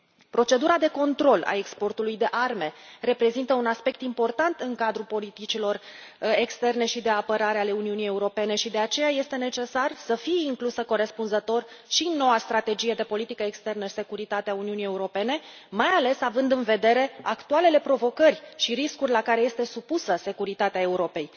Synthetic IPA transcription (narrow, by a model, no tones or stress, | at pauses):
pɾo̞t͡ʃe̞d̪uɾad̪e̞ko̞nt̪ɾo̞la̰e̞kspo̞rt̪ulujd̪e̞ʔarme̞re̞pɾe̞zint̪əunaspe̞k̚t̪impo̞rt̪ant̪ɨŋkad̪ɾupo̞lit̪it͡ʃilo̞r | ekst̪e̞rne̞ʃid̪e̞apəɾaɾeale̞uniunije̞uɾo̞pe̞ne̞ʃid̪e̞at͡ʃe̞jaje̞st̪e̞ne̞t͡ʃe̞sarsəfijeiŋklusəko̞ɾe̞spunzət̪o̞rʃino̞wast̪ɾat̪e̞d͡ʒije̞d̪e̞po̞lit̪ikəekst̪e̞rnəse̞kuɾit̪at̪eauniunije̞uɾo̞pe̞ne̞ | majale̞savɨnd̪ɨnve̞d̪e̞ɾe̞akt̪uale̞le̞pɾo̞vo̞kərʲʃiɾiskurʲlakaɾe̞je̞st̪e̞supusəse̞kuɾit̪at̪eae̞uɾo̞pe̞j